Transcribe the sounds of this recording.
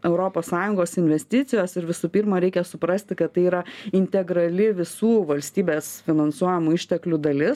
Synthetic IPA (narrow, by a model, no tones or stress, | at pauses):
ɛʊɾoːpoːssɑːjʊŋɡoːsɪnʲʋʲɛsʲt̪ʲɪt̪sʲɪjoːsɪɾʋʲɪsupʲiːɾmɐɾʲɛɪkʲɛsʊpɾɐsʲt̪ʲɪkɐt̪t̪ːɐɪiːɾɐɪnʲt̪ʲɛɡɾɐlʲɪʋʲɪsuːʋɐlʲsʲt̪ʲiːbʲeːsfʲɪnɐnsuɔjɛmuɪʃʲt̪ʲɛklʲʊd̪ɐlʲɪs